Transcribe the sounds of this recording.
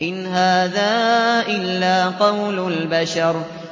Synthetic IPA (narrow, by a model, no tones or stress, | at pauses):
ʔɪnɦaːðaːʔɪlːaːqɑwlʊlbaʃɑɾˤ